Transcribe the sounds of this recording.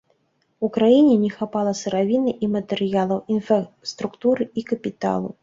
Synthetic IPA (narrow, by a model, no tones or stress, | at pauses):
ukɾajinʲɛnʲɛxapalˠɐsɨɾavʲinɨʔimɐt̪ɛɾɨjalˠɐwinfɐ | st̪ɾukt̪uɾɨikɐpʲit̪a̰lˠṵ